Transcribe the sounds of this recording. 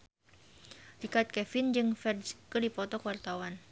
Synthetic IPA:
rikat̪̚kɛfind͡ʒɨŋfɛrdskədipɔt̪ɔkuwart̪awan

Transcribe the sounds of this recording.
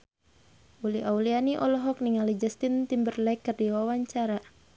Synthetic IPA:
uliʔaulianiʔɔlɔɦɔk̚niŋalid͡ʒast̪int̪imbərlɛkːərdiwawaɲt͡ʃaɾa

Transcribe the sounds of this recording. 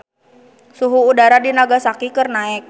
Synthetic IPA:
suɦuːdaɾadinaɡasakikərnaɪk̚

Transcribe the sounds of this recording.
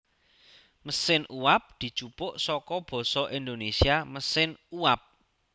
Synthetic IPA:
məsɪnuwap̚d̪̥i̤̥t͡ʃupʊʔsɔkɔb̥ɔ̤sɔʔind̪onesiaməsɪnuwap̚

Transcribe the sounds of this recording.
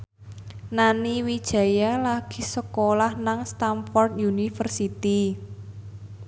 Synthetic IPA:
naniwid̥ʒ̥ä̤jalaɡ̥i̤̥səkolahnaŋst̪amfɔrt̪̚junifərsit̪i

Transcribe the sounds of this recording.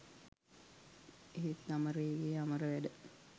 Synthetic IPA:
eɦit̪ːaməɾəeɡeːaməɾəʋæɖə

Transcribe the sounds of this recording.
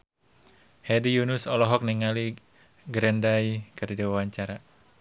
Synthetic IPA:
hɛdijunusɔlɔɦɔk̚niŋali | ɡɾɛndajkərdidiwawaɲt͡ʃaɾa

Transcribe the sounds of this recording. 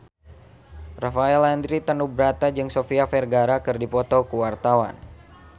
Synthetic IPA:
rafaɛland̪ɾit̪ənubɾat̪ad͡ʒɨŋsofiafɛrɡaɾakɨrdipɔt̪ɔkuwart̪awa̰n

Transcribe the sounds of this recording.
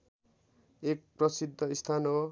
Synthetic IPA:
ek̚prʌsid̪ʱːʌist̪ʰano

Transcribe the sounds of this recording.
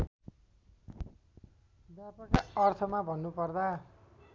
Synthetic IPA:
bjapʌkaʌrt̪ʰʌmabʱʌnːupʌrd̪a

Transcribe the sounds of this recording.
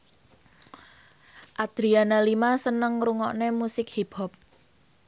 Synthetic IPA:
ʔad̪̥ɾianalimasənəŋɾuŋɔʔnemusɪk̚hib̥ɔp̚

